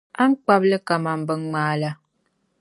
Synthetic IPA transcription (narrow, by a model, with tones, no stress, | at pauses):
a˦ŋ̩˦k͡pa˦p̚lə˦ka˨ma˨m̩˨bə˨ŋŋ͡maː˨˦la˨